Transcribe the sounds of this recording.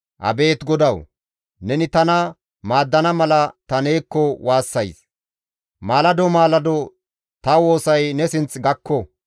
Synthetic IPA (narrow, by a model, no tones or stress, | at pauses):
ʔɐ̰be̞ːt̪ɡɔd̪ɐw | nɛnɪt̪ɐnɐ | maːd̪ːɐnɐmɐlɐt̪ɐneːkːɔwaːsːɐjs | maːlɐd̪ɔmaːlɐd̪ɔ | t̪ɐwo̞ːsɐjnɛsɪnt͡sɡɐkːɔ